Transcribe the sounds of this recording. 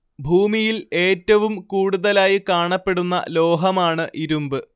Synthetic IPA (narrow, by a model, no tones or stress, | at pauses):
bʱuːmijile̞ːtːɐʋumkuːɽuðɐlaːjikaːɳɐpːe̞ɽunːɐ̰lo̞ːɦɐmaːɳɨʔiɾumbɨ